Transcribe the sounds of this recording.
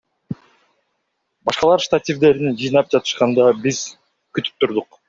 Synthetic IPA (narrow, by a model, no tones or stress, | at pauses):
bɑʃqɑlˠɑɾst̪at̪ʲivd̪e̞ɾind͡ʒɯjnɑp̚d͡ʒɑt̪ɯ̥ʃqɑnd̪ɑbiz | kyt̪y̥p̚t̪uɾd̪uq